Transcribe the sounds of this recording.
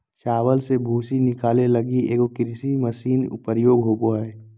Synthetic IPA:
ʃaːʋəlsebʱuːsinɪkaːleləɡieːkokɪɾsiməsiːnʊ̰pəɾjoːɡɦoːboɦɛː

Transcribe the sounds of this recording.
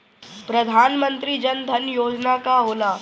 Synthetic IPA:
pɾɐd̪ʱaːnmə̃nt̪ɾid͡ʒɐnd̪ʱɐnjoːd͡ʒnakaɦoːlaː

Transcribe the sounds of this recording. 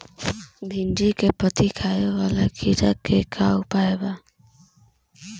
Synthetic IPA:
b̪ʱɪnd͡ʒikepət̪ikʰaːeʋaːlakʰiɾakekʰaːwpaːeba

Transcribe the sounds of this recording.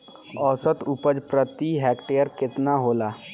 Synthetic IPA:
ɔːsət̪ʊpəd͡ʒpɾət̪iɦɛːkʈejəɾkɪt̪naɦoːlaː

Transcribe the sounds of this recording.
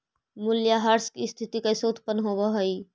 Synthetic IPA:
mʊljaɦaɾskist̪ʰit̪ikaisoːt̪ʰpənɦobəɦoi

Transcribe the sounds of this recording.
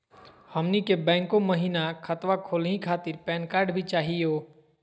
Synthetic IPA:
həmnikebɛ̃ːŋkõməɦiːnakʰət̪wakʰoːlɦĩkʰaːt̪ɪɾpɛːnkaːɾɖbʱit͡ʃaːɦioː

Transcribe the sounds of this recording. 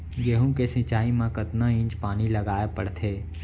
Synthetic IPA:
ɡeːɦũkesɪ̃t͡ʃaːimãkət̪naɪ̃ːt͡ʃpaːnilɐɡaːepəɽt̪ʰeː

